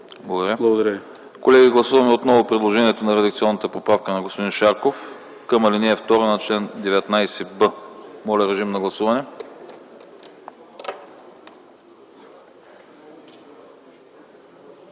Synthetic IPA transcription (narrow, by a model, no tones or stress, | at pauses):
blˠɐɡod̪ɐɾʲəblˠɐɡod̪ɾ | kolɛɡiɡlˠɐsuvɐmɛot̪nɔvʊpɾid̪lˠoʒɛniɛt̪onɐɾɛd̪ɐk̚t̪siɔnːət̪əpopɾafkənɐɡospod̪inʃaɾkof | kəmɐliniɛft̪ɔɾənɐt͡ʃlɛnd̪ɛvɛt̪najsɛbəmɔlʲɛɾɛʒimnɐɡlˠɐsuvɐnɛ